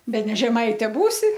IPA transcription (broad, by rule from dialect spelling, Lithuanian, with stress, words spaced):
bʲɛˈnʲɛ ʒʲɛˈmɐɪtʲɛ ˈbuːsʲɪ